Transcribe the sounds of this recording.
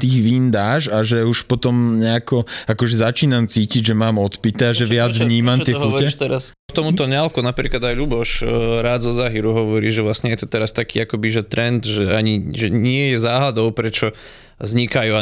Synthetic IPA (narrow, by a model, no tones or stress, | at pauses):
t̪iːɣʋind̪aːʒaʒɛuʃpɔt̪ɔmɲɛakɔakɔʒɛzat͡ʃiːnamt͡siːciɟʒɛmaːmɔt̪pit̪ɛaʒɛʋɪad͡zd͡zvʋɲiːmamtt̪ɪɛxucɛt̪ɛɾas | t̪ɔmut̪ɔɲalkunapɾḭːklad̪ajʎubɔʃɾaːd̪zɔzaːɦiːɾuɦɔʋɔɾiːʒɛʋlasɲɛjɛt̪ɔt̪ɛɾast̪akiːakɔbiʒɛt̪ɾɛnd̪ʒɛaɲiʒɛɲɪɛjɛzaːɦlad̪ɔʊpɾɛt͡ʃɔ | zɲikajua